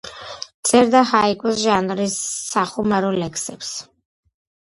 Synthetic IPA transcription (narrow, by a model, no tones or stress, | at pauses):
t̪sʼɛɾd̪aɦaikʼɔsʒanɾisːaχumaɾulɛkʰsɛps